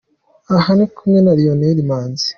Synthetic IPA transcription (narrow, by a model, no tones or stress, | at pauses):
ahanikʰumɲenaɾijoneɾimaːnzi̥